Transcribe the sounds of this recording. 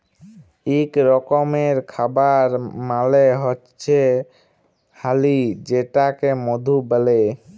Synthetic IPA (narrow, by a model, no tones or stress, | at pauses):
ikɾɔkomeɾkʰabaɾmaleɦotːɕʰe | halid͡ʑeʈakemod̪ʱubəle